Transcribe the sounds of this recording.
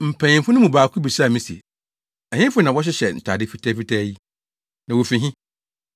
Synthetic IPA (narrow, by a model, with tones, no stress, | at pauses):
m̩˨pʰã˨ɲɪ̃˨m˨fʊ˦nʊ̃˦mũ˨baː˨kʰʊ˦bi˨sa˦˨mĩ˦si˨e˨ | ɛ˨ɲɪ̃˦fʊ˦nã˨wɔ˦ɕ̬ɪ˦ɕɛ˨n̩˨tʰa̰˨dɪ˦fi˦tʰɛː˦fi˦tʰɛ˦ji˦ | nã˨wo˨fi˨ɦĩ˦